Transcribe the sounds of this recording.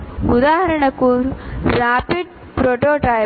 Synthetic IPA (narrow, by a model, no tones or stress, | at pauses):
ʊðaːɦɐɾɐɳɐkːuɾɾaːpiɖ̚ | pɾoːʈoːʈa